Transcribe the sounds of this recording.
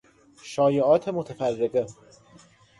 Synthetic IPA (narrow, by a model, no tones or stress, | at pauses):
ʃɒːjeʔɒːt̪ʰemot̪ʰæfærːeɣe